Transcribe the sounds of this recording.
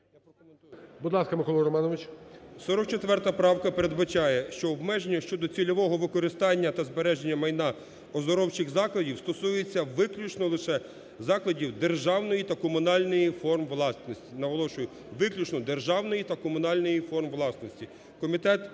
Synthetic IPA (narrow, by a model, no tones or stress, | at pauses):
japɾɔkɔmenujbud̪lˠɑskɐmɪkɔlˠɪɾɔmɑnɔʋɪt͡ʃsɔɾɔk̚t͡ʃet̪ʋɛrt̪ɐpɾɑwkɐpeɾed̪bɐt͡ʃɑjɛʃt͡ʃɔɔbmɛʒenʲːɐʃt͡ʃɔd̪ɔt͡sʲilʲɔʋɔɦɔʋɪkɔɾɪst̪ɑnʲːɐt̪ɐzbeɾɛʒenʲːɐmɐjnɑ | ɔzɔɾɔwt͡ʃɪɣzɑklˠɐdʲiwst̪ɔsujet͡sʲːɐʋɪklʲut͡ʃnɔlˠɪʃɛ | zɑklˠɐdʲiwd̪erʒɑwnɔjit̪ɐkɔmʊnɑlʲnɔjifɔrmʋlˠɑsnɔsʲtʲinɐʋɔlˠɔʃʊjʊ | ʋɪklʲut͡ʃnɔd̪erʒɑwnɔjit̪ɐkɔmʊnɑlʲnɔjifɔrmʋlˠɑsnɔsʲtʲi | kɔmʲit̪ɛt̪